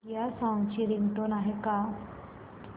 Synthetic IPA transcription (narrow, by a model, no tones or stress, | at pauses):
jasãwt͡ɕiɾiŋɡʈonaɦeka